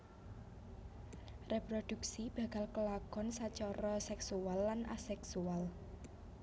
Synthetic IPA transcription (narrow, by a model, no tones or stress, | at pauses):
repɾod̪̥ṳksib̥ä̤ka̤lkəlakɔnsat͡ʃɔɾɔsɛksualːanasɛksual